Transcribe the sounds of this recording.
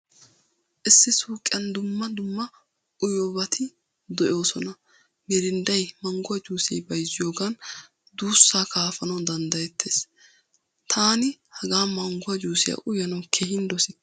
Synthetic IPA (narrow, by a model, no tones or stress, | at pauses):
ʔɪsːɪsuːkʼːɪɐnd̪ʊmːɐd̪ʊmːɐ | ʔʊjoːbɐt̪ʰɪ | d̪ɔjo̞ːsɔnɐ | mɛɾɪnd̪ɐjmɐŋɡʊɐd͡ʒuːsɛ̰jbɐjzɪjo̞ːɡan | d̪uːsːaːkaːfɐnɐwd̪ɐnd̪ɐjɛt̪ʰːeːs | t̪ʰaːnɪhɐɡaːmɐŋɡʊwɐd͡ʒuːsɪjɐ̰ʔʊjɐnɐwkʰeɦɪnd̪ɔsɪ